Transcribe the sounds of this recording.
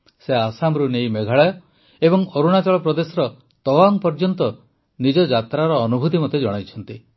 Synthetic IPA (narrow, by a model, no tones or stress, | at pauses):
seasamɾunejmeɡʱaɭajɔ | ebɔŋoɾuɽ̃at͡ʃɔɭɔpɾɔd̪esɔɾɔ | t̪ɔwaŋpɔɾd͡ʒɔnt̪ɔ | nid͡ʒɔd͡ʒat̪ɾaɾɔːnubʱut̪imɔt̪ed͡ʒɔɽ̃ajt͡ʃʰɔnt̪i